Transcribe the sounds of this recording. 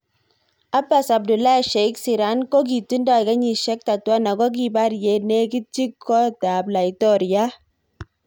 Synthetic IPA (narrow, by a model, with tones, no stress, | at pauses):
a˦ba˨sa˨b̚du˨la˦˨ʃɛ˨iksi˨ɾa˨˦nko˦k̬i˨tu˦ndɔ˨i˨ka˦ɲi˨ʃɛ˦k̚ta˨twa˦na˨ɡɔ˦k̬i˨ba˦ɾje˨ne˦ki˦t͡ʃi˦kʰːɔ˦ta˨bla˨itɔ˦ɾja˦